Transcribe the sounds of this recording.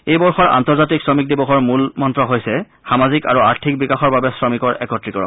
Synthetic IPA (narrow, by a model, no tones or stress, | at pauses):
ejbɔɹxɔɹa̰ntɔɹzatiksɹɔmik̚dibɔxɔɹmulmɔntɹɔɦojsɛ | xamazika̰ɹuaɹtʰik̚bikaxɔɹbabɛsɹɔmikɔɹɛ̰kɔtɹikɔɹɔ̰